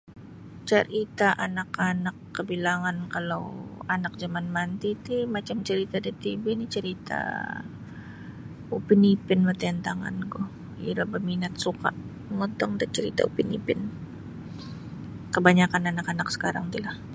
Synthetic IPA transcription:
t͡ʃəɾit̪aʔanakanakːəbilaŋankala̰wanak̚d͡ʒamanmant̪it̪imat͡ʃamt͡ʃəɾit̪adat̪ibinit͡ʃəɾit̪a̰ | upinipɪnmat̪aant̪aŋa̰nɡɔh | ḭɾabəminat̪̚suka̰ʔməŋɔt̪ɔŋdant͡ʃəɾit̪a̰ṵpinḭpɪn | kəbaɲakananakanaksə̥kaɾaŋt̪ilah

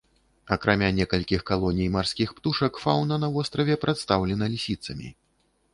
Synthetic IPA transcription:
ɐkɾamʲanʲɛkɐlʲkʲixkalˠɔnʲijmarskʲixpt̪uʂɐkfawnɐnɐvɔst̪ɾɐvʲɛpɾʔat̪st̪awlʲɛnɐlʲisʲit̪sɐmʲḭ

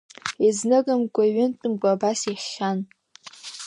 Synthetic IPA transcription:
iznɨɡamɡʷʼaɥɪntʼɨmɡʷaːbasiχan

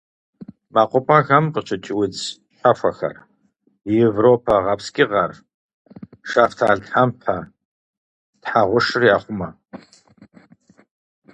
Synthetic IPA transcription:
maqʷʼʊpʼɐɣɐmqət͡ʃʰʼɪt͡ʃʼɪwɪt͡s | ħʷafʷɐxɐ̰r | jɛvropʰɐʁɐpskʲʼɪʁɐr | ʂaftʰaːɮtħampʰɐ | tħaʁʷʊʂɨrjaːχʷʊmɐ

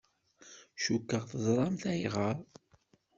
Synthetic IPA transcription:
ʃukːəʁθəzˤɾˤɑmθæjʁəɾˤ

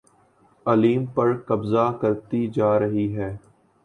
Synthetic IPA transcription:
ɐliːmpɐɾkɐbzakɐɾt̪id͡ʒaːɾɐɦiɦɛː

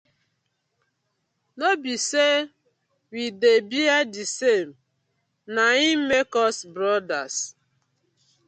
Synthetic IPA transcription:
nobise | widebiadisem̩ | naim̩mekɔsbɾɔdas

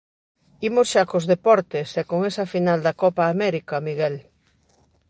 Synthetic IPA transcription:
imosʃakozðepɔɾt̪esɛkoŋesɐfinald̪ɐkɔpaːmɛɾikɐmiɣɛl

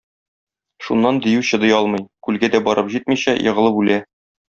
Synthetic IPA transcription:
ʃunːɑnd̪ĭjʉɕɤ̆d̪ɤ̆jɒlˠmɤ̆jkʉlɡæd̪æbɒɾɤpʑit̪miɕæjʔɤ̆ʁɤ̆lˠɤpʉlæ

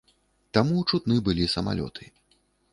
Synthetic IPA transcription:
t̪amut͡ʂut̪nɨbɨlʲisɐma̰lʲɔ̰t̪ʰɨ̥

